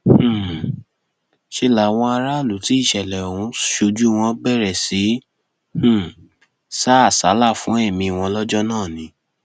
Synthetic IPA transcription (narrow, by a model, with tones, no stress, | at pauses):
ʃe˦la˨w̃ɔ̃˧a˧ɾa˦˨lu˨˦ti˦i˦˨ʃɛ˨lɛ˨o˨ũ˨˧ʃo˧d͡ʒu˦w̃ɔ̃˧bɛ˦˨ɾɛ˨si˨˦ | h̩˦˨ | sa˦˨sa˨˦la˦˨fũ˦ɛ˦˨mĩ˧w̃ɔ̃˧lɔ˦d͡ʒɔ˦nãː˦˨nĩ˨˦